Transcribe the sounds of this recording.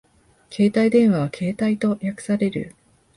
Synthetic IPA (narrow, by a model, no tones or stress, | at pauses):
kʰe̞ːt̪aid̪ẽ̞ɰ̃βaβ̞akʰe̞ːt̪ait̪o̞jakɯ̟̥saɾe̞ɾɯ̟̰